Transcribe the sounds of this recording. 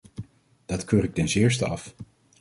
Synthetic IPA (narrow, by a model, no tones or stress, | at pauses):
d̥ɑtkøːɾɪk̚tɛnsɪːɹs̬təɑ̰f